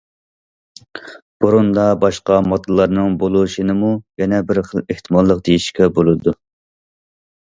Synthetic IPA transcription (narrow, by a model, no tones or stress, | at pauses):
b̥uɾund̪ɑbɑʃqɑmɑt̪ʰɨlˠːɑɾnɨŋbolˠuʃinɨmujɛnɛbɪɾχəlˠeht̪ʰɨmɑlˠːəq̚d̪ejiʃkʲɛbolˠɨd̪u